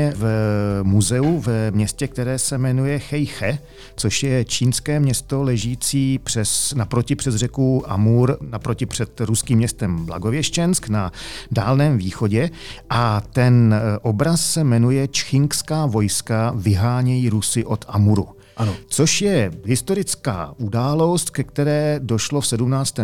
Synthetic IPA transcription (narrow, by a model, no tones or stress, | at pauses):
ɛvmuzɛuvmɲɛscɛk̚t̪ɛɾɛːsɛmɛnujɛxɛjxɛ | t͡so̞ʃjɛt͡ʃiːnskɛːmɲɛst̪o̞lɛʒiːt͡siːpr̝̥ɛsnapɾocɪpr̝̥ɛzr̝ɛkuʔa̰muɾnapɾo̞cɪpr̥ɛt̪ɾuskiːmːɲɛst̪ɛmbla̰ɡo̞vjɛʃt͡ʃɛnsknadaːlnɛːmviːxo̞ɟɛ | ʔat̪ɛnʔo̞bɾasːɛmɛnujɛt͡ʃxɪŋkskaːvo̞jskavɪɦaːɲɛjiːɾusɪʔo̞t̪ʔamuɾṵ | t͡so̞ʃjɛɦɪst̪o̞ɾɪt͡ska̰ːʔudaːlo̞st̪kɛkt̪ɛɾɛːdo̞ʃlofsɛdumnaːt͡st̪ɛː